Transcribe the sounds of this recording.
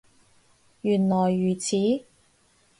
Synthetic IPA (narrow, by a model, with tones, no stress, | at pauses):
jyː˨˩nlɔː˨˩jːyː˨˩t͡sʰiː˨˥